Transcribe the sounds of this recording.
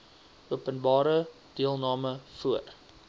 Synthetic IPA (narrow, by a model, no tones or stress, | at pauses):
ʔuəpənbɑːɾə | d̥iəlˠnɑːməfuər